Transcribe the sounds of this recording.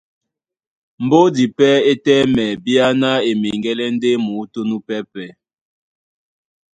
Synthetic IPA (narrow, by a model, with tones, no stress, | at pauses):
m̩˨bo˦di˨pɛ˦e˦tɛ˦mɛ˨bi˦a˦na˦e˨mi˨ŋɡɛ˦lɛ˦n̩˦de˦mu˨˦to˦nu˦pɛ˦pɛ˦